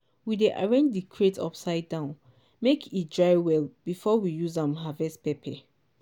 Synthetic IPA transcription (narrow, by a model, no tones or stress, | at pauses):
wideʔa̰ɹẽnd͡ʒdikʰɹetʰɔ̰psaɪddãʊ̃n | mekʰit̚dɹaɪwɛlb̥ifɔwijuzãmɦavɛstpɛpʰɛ